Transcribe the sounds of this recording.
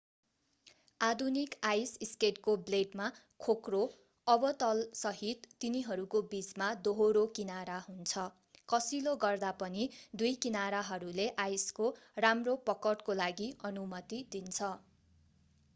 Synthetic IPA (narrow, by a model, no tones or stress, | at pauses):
ad̪ʱunikajsiskeʈkobleɖma | kʰokro | ʌbʌt̪ʌlsʌɦit̪ːiniɦʌɾukobit͡smad̪oɦoɾokinaɾaɦunt͡sʰʌ | kʌsiloɡʌrd̪apʌnid̪ujkinaɾaɦʌɾuleʔajskoramropʌkʌʈkolaɡiʌnumʌt̪id̪int͡sʰʌ